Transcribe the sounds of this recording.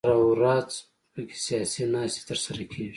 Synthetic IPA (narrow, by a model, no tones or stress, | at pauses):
ɾawɾɑːz | pəke̥sijɑːsinɑːst̪e̥t̪əɾsaɾakʰeʒi